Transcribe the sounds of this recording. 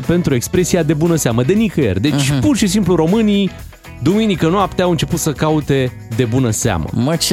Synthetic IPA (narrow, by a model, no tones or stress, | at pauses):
pe̞nt̪ɾue̞kspɾe̞siad̪e̞bunəseaməd̪e̞nikəḛrʲd̪e̞t͡ʃʲpurʃisimpluɾo̞mɨni | d̪uminikənuapt̪eawɨnt͡ʃe̞put̪səkaut̪e̞ | d̪e̞bunəsea̰mə̰mət͡ʃ